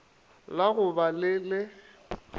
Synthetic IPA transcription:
laɣʊbalɪlɪ

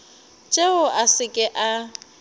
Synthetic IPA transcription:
t͡ʃʼeʊʔasɪkʼɪʔa

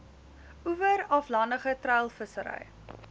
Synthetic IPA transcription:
uvəɾɐflɐndəχətrœɥlˠfəsəɾə̰j

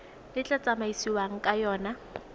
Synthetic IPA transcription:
lɪt͡ɬʼat͡sʼamaisiwaŋ̩kʼajɔːna

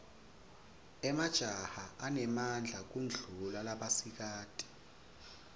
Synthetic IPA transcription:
ɛmad̥ʒ̥ʱahaʔanɛmand͡ɮʱak̬und͡ɮʱulalaɓasik̬aːtʼi̥

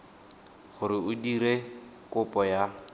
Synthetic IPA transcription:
χʊɾɪʊdiɾe | kʼʊpʼɔja

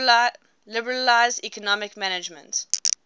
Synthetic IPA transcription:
lɪbəɹəlaɪzdikɔnɔmɪkmænɪd͡ʒmə̰̃nt

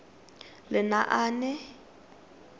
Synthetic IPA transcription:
lɪnaʔaːnɛ

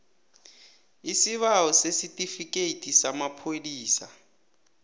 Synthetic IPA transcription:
isiβaɔsesitʼifikʼeitʼisamapʰodiːsa̰

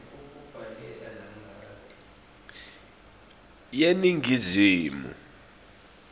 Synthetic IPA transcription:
uk̬ʼub̥ʱalɛlanam̩a | jeniŋʱiziːmṵ

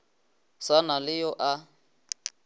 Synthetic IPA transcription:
sanalɪjɔʔa

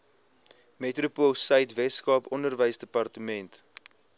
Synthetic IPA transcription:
metrupolˠsəjtvɛtskɑːpɔndərvəjsdəpɐrtəmɛnt

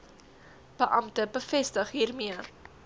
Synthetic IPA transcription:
b̥əʔɐmtəbəfɛstəχɦiːrmiə

